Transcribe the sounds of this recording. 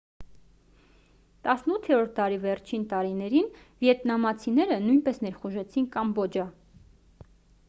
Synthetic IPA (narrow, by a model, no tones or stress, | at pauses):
t̪ɑsnut̪ʰːɛɾɔɾt̪ʰt̪ɑɾivɛɾt͡ʃʰint̪ɑɾinɛɾinvjɛt̪nɑmɑt͡sʰinɛɾənujnpɛsnɛɾχuʒɛt͡sʰinkɑmbɔd͡ʒɑ